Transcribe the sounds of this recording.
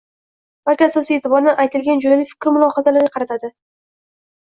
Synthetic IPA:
b̥alkʲɪasɒsijet̪ʰɪbɒɾnɪʔajt̪ʰɪlɡʲand͡ʒojnɪfɪ̥kʲɾmʊlˠɒhazalaɾɡʲaqʰɾat̪ʰad̪ɪ

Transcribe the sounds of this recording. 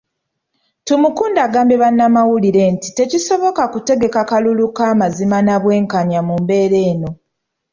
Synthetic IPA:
tumukuːndaːɡaːmbe̞βanːamawuliɾe̞nti̥te̞ciso̞βo̞kakute̞ɡe̞kakalulukaːmazimanaβwe̞ːŋkaɲamumbe̞ːɾe̞ːno̞

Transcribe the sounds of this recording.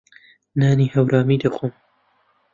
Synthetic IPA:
naːniːhɐwɾʔaːmiːd̪ɐxoːm

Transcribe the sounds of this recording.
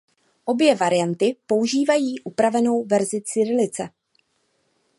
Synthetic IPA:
ʔo̞bjɛvaɾɪjant̪ɪpo̞uʒiːvajiːʔupɾavɛno̞wvɛɾzɪt͡sɪɾɪlɪt͡sɛ

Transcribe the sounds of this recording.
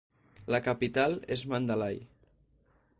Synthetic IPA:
ləkapit̪alezmand̪alaj

